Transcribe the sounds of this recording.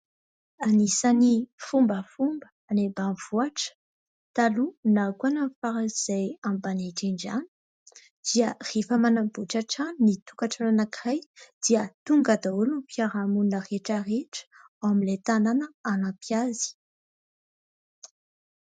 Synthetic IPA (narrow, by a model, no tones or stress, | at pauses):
anisanifumbəfumbə | anebanv̥uaʈ͡ʂə̥ | t̪alunakanamfaɾaiz̥ajambaneʈ͡ʂiɳɖ͡ʐani̥ | d̪̥iərefəmanambuʈ͡ʂaʈ͡ʂanit̪ukaʈ͡ʂananakrajd̪̥iət̪uŋɡad̪aulupjaɾamunəreʈ͡ʂəreʈ͡ʂə̥ | aamilet̪ananəanapjazi̥